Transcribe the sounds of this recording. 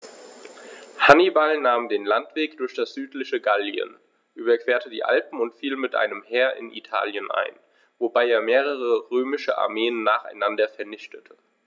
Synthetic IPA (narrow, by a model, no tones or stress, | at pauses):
hanibalnaːmdeːnlantv̥eːkd̥ʊɐçd̥asz̥yːtlɪçəɡaljə̰n | ʔyːbɐkv̥eːɐtədḭːʔa̰lpm̩ʊntfiːlmɪtʔa̰ɪnəmheːɐʔɪ̰nʔḭtʰa̰ːljənʔa̰ɪn | vobaɪeːɐmeːʁ̞əʁəʁøːmɪʃəʔa̰ɐmeːənːaːχa̰ɪnandɐfɛɐnɪçtʰətʰə